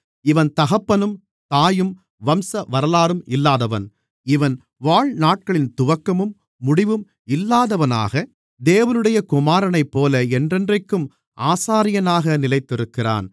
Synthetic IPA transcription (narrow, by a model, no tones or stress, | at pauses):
ɪʋɐnt̪ɐɣɐpːɐnɯm | t̪aːjɯm | ʋɐmsɐʋɐɾɐlaːɾɯmɪlːaːðɐʋɐ̰n | ɪʋɐn | ʋaːɻnaːʈ̚kɐɭɪnt̪ʊʋɐkːɐmɯmː | ʊɽɪʋɯm | ɪlːaːðɐʋɐna̰ːɣɐ | d̪eːʋɐnɯɽɐjɐkʊmaːɾɐnɐɪpːoːlɐɛndrɛndrɐɪkːɯm | ʔaːsaːɾɪjɐnaːɣɐnɪlɐɪt̪ːɪɾɯkːɪra̰ːn